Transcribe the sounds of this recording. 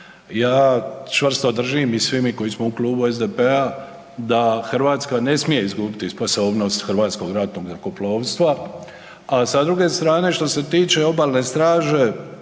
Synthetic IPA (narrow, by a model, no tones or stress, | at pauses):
jaːt͡ʃʋr̩st̪o̞d̪r̩ʒimisʋimiko̞jismoukluːbuezd̪e̞pe̞a | d̪axrʋaːt̪skane̞smije̞izɡuːbit̪ispo̞so̞ːbno̞st̪xrʋaːt̪sko̞ɡɾat̪noɡnakoplˠo̞ːʋst̪ʋa | asad̪ɾuɡe̞st̪ɾaːne̞ʃt̪o̞se̞t̪iːt͡ʃe̞o̞baːlne̞st̪ɾaːʒe̞